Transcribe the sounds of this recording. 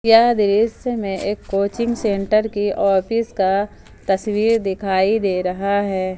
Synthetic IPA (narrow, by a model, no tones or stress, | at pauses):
jaːd̪ɪɾɪsmẽʔeːkːoːt͡ʃɪ̃ŋɡsẽːɳʈəɾkiʔɔːpɪska | t̪ɐswiːɾd̪ɪkʰaːid̪eːɾɐɦaɦɛː